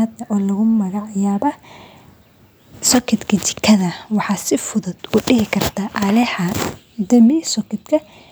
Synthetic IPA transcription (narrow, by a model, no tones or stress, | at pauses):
ɐd̪ɐʔɔːlɐɣʊmɐɣɑʕjaːβɐ | sɔkʰɪd̪kʰɐt͡ʃɪ̥kʰːɐðɐwɑħɑːsɪfʊðʊd̪̥ʊɖɪɦɪkʰɐrt̪ʰaːʔɐlɛħɐ | d̪ɐmɪsɔkʰɪd̪kʰɐ